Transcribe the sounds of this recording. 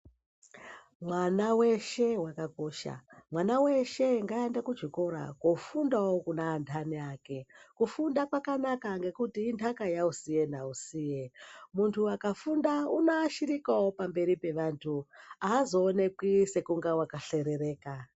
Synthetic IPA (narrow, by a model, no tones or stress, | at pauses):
mwanawe̞ʃe̞wakako̞ːʃa̰mwanawe̞ʃe̞ŋɡaendakud͡ʒiko̞ɾa̰kofundawokunaːntʰaniaːke̞kufundakwakanakaŋɡe̞kutiːntʰakajausije̞nausiːjemuntʰuakafundaunoaʃiɾikawopambe̞ɾipe̞ʋantʰuaːzo̞ːne̞kwise̞kuŋɡawakaɬe̞ɾe̞ɾe̞ːka